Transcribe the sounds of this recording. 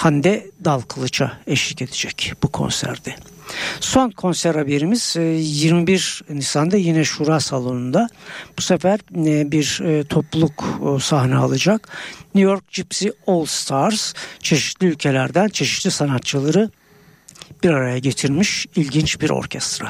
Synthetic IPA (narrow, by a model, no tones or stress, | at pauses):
hand̪ɛd̪alˠkʰɯlˠɯt͡ʃʰa̰ɛʃlice̞d̪ɛd͡ʒɛcbukʰo̞̰nsæ̰ɾd̪̥ɛ | so̞nkʰo̞nsæɾhabe̞ɾimiz̥jiɾmibiɾnisand̪ajinɛʃuɾasalˠo̞nund̪ab̥usefæɾbiɾt̪ʰo̞plˠukːsaɦnɛa̰lˠad͡ʒaknyjo̞ɾk̚d͡ʒipsiolˠst̪ʰaɾɾz̥t͡ʃʰe̞ʃi̥t̪lʲiylʲcʰe̞lʲæɾd̪ænt͡ʃʰe̞ʃi̥t̪lʲisanat̪̚t͡ʃʰɯlˠaɾɯ | b̥iɾaɾajaɟe̞t̪ʰiɾmiʃilʲɟint͡ʃbiɾo̰ɾcʰɛst̪ɾa